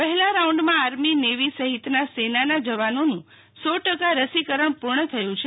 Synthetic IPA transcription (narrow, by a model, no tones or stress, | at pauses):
pəɦɛlaɾaũɳɖmãaɾmineʋisəɦit̪nasenanad͡ʒəʋanonũ | sɔʈəkaɾəsikəɾəɳpuɾɳət̪ʰəjũt͡ʃʰe